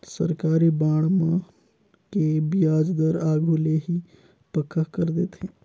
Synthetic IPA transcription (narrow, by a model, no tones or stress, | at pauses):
sə̰ɾkaːɾibaːɽmã | kebijaːd͡ʒd̪əɾaːɡʱuleɦi | pəkʰːəɦkəɾd̪eːt̪ɦẽː